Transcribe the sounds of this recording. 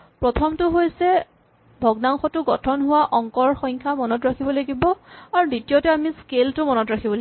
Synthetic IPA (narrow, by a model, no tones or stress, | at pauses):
pɹɔtʰɔmtʊɦojsɛ | bʱɔɡnaŋxɔtʊɡɔtʰɔnɦʊwaʔɔŋkɔɹxɔjŋkʰamɔnɔtɹakʰibɔlaɡibɔaɹuditijotɛamiskeltʊmɔnɔtɹakʰibɔla